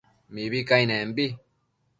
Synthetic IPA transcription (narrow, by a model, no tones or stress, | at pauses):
mibikajnembi